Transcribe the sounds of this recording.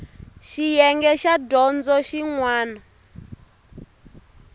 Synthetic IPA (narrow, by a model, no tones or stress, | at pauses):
ʃijɛŋɡɛʃadɔnd͡zɔʃiŋwaːnɔ